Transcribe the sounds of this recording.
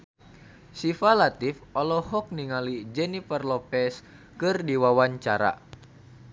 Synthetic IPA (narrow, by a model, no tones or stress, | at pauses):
sifalat̪ifɔlɔhɔk̚niŋalid͡ʒɛnifərlɔpɛs | kɨrdiwawaɲt͡ʃaɾa̰